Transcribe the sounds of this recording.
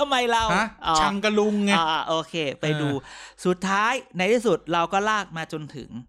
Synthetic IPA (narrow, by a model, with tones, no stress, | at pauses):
t̪ʰa˧mːa˧jɾa˧wʔɔː˧˩a˧ŋka˧lu˧ŋːa˧ɔː˧˩ʔoː˧kʰeː˧pa˧jduː˧su˨˩t̪ʰːaː˦˥jna˧jt̪ʰiː˥˩su˨˩t̪̚ɾa˧wkɔː˥˩laː˥˩k̚maː˧t͡ɕo˧nt̪ʰɯ̰˩˦ŋ